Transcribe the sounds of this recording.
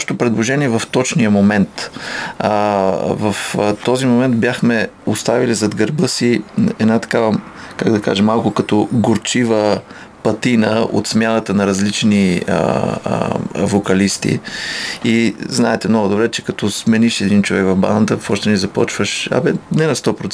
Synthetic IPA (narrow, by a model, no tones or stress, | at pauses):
ɔʃɛ̥t̪opɾɛd̪lˠoʒɛniɛvɐft̪ɔt͡ʃnijəmomɛnt̪ | vɐft̪ɔzimomɛnt̪bjaxmɛost̪avilizɐd̪ɡɐɾbɤsiɛ̰d̪nat̪ɐ̥kavəkaɡd̪ɐka̰ʒɛmːalˠkʊkɐt̪ɔɡoɾt͡ʃivə | pɐt̪inəo̰t̪smjanət̪ənɐɾɐzlit͡ʃniə̰ | vokɐlist̪ḭ | iznaɛt̪ɛmnɔɡʊd̪obɾɛt͡ʃɛkɐt̪ɔsmɛniʃɛd̪int͡ʃovɛkvɐvba̰nət̪əfɔʃt̪ɛnizɐpɔ̰t͡ʃvəʃɐ̰bɛnɛnɐst̪ɔpɾot̪